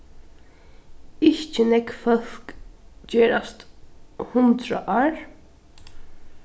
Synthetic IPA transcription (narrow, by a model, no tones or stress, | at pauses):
ɪçt͡ʃənɛkfœlkd͡ʒeːɾast̪hʊnt̪ɾə̰ʔɑːɹ